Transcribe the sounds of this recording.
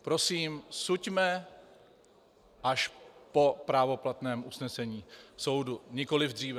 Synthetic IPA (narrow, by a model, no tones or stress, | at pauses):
pɾo̞siːmsucmɛ | ʔaʃpo̞pɾaːvo̞plat̪nɛːmʔusnɛsɛɲiːso̞wduɲɪko̞lɪvd̪r̝iːvɛ